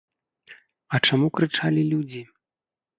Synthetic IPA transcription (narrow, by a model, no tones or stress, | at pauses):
ɐt͡ʂamukɾɨt͡ʂalʲilʲud͡zʲi